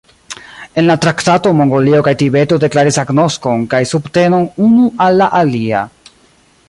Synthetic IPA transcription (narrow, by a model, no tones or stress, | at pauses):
e̞nlatɾaktato̞mo̞ŋɡo̞lio̞kajtibe̞to̞de̞klaɾisaɡno̞sko̞nkajsubte̞no̞nunuʔalːaʔalia̰